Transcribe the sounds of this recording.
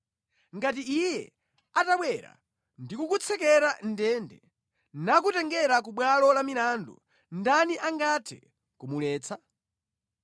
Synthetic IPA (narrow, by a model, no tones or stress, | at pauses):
ŋɡatiijɛ̰ | ataɓwɛɾa̰ | ndikukut͡sʰɛkɛɾandɛndɛ | nakutɛŋɡɛɾak̬uɓwalɔlamiɾandṵ | ndaniʔaŋɡatʰɛ̰ | kumulɛːt͡sʰa